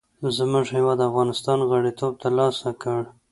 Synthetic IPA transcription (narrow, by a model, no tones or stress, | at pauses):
zmʊʐhɪwɑd̪afɣɑnɪst̪ɑnɣaɽit̪ob̚t̪alɑsakəɽ